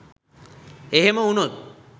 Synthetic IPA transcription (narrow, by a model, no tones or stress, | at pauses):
eɦeməunot̪̚